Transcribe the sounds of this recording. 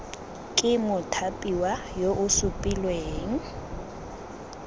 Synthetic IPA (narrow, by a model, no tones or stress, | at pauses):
kʼɪmʊtʰapʼiwa | joʔʊsʊpʼilweːŋ̩